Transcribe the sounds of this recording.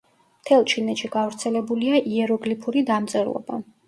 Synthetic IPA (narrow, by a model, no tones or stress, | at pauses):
mt̪ʰɛlˠt͡ʃʰinɛt̪ʃiɡavɾt̪sʰɛlɛbuliaʔiɛɾɔɡlipʰuɾid̪amt̪sʼɛɾlˠɔ̰ba̰